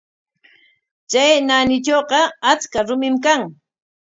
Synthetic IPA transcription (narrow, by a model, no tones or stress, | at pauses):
t͡ʃajnanɪt͡ʃoːqɑat͡skaɾʊmɪmkaŋ